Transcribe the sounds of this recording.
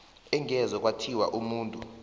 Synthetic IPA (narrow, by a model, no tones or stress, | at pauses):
ɛŋɛzɔk̬ʼwatʰiwaʔumuːntʼu